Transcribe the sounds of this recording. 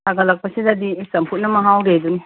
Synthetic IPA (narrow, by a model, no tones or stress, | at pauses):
tʰaɡɐlɐk̚pɐsidad̪isɐmpʰut̚nɐmɐɦawɾeduni